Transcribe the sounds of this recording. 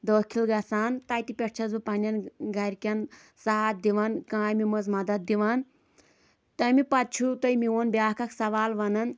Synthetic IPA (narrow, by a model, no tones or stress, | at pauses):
d̪oːkʰilɡɐsaːnt̪aːjt̪ipʲeʈ̚t͡ʃʰɐzupɐnʲɐnɡɐɾʲkʲɐn | saɦaːt̪̚d̪iʋɐnkãːjmimɐzmɐd̪ɐd̪̚d̪iʋɐn | t̪ɐmipɐt̪̚t͡ʃʰut̪ɐjmiʋonbʲjaːkɐksɐʋaːlʋɐnɐn